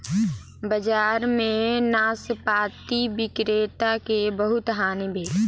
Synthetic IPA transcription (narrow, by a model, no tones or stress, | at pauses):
bəd͡ʒaːɾmẽnaːsəpaːt̪ibɪkɾeːt̪akebəɦʊt̪ɦaːnebʱeːl